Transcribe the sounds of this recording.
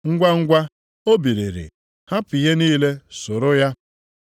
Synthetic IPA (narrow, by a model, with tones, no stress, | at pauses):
ŋ̩˦ɡʷa˦ŋ̩˦ɡʷa˦ | o˦bi˨ɾe˨ɾḭ˨ | ha˦pi˨ɦe˦niː˦le˦sʊ˨ɾʊ˦ja˦